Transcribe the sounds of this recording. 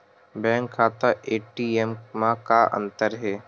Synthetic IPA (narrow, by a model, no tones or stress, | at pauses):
bɛ̃ːŋkʰːaːt̪aʔeːʈiemmãkaʔə̰̃nt̪əɾɦɛː